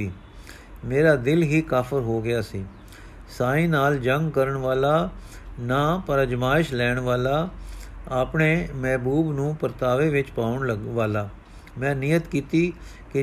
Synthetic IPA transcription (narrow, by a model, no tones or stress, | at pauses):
iː | meːɾaːd̪ɪlɦiːkaːpʰəɾɦoːɡɪaːsiː | saːĩːnaːld͡ʒəŋɡkəɾəɳʋaːlaː | naːpəɾəd͡ʒmaːɪʃlɛːɳʋaːlaː | aːpɳeːmɛːbuːbnũːpəɾt̪aːʋeːʋɪt͡ʃpaːʊɳləʋaːlaː | mɛ̃ːnɪjət̪kiːt̪iː | kɪ